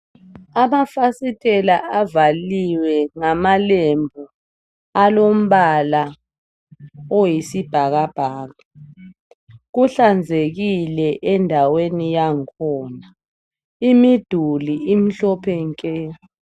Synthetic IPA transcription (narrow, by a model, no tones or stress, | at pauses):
amafasitʰʼɛlaavaliwɛŋamalembʱɔ | alom̩βala | ojisib̥ʱaɣab̥ʱaːɣa | ɣuɬand͡zʱeɣilɛʔɛndʱawenijaŋkʰɔna | imid̥ʱuliim̩ɬɔpʰɛŋkʼɛ